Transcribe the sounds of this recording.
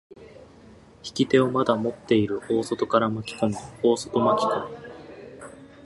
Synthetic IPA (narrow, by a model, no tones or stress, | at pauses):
çi̥kʲit̪e̞o̞mad̪amo̞t̪ːe̞iɾɯ̟o̞ːso̞t̪o̞kaɾamakʲi̥komio̞ːso̞̥t̪o̞makʲi̥kõ